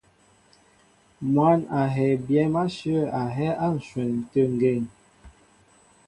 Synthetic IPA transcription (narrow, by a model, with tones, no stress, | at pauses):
mwa˦˨na˨ɦɛ˨bjɛ˦ma˦ʃə˦˨a˨ɦɛ˦ʔa˦n̩˨swɛ˨nn̩˨tə˦ŋ˨ɡe˦˨ŋ